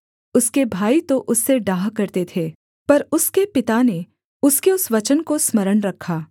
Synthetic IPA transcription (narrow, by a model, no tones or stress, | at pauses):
ʊskebʱaːit̪oʔʊsːeɖaːɦkɐɾt̪et̪ʰeː | pɐɾʊskepɪt̪ane | ʊskeʊsʋɐt͡ʃənkosmɐɾəɳɾɐkʰːaː